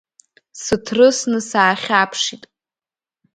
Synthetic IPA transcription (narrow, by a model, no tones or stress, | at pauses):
sɨtʰrɨsnɨsaːχʲapʰʂitʼ